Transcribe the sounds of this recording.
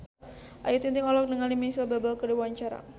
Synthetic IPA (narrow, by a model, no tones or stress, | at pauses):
ʔajut̪int̪ɪŋɔlɔk̚nəŋalimisəbabalkədewaɲt͡ʃaɾa̰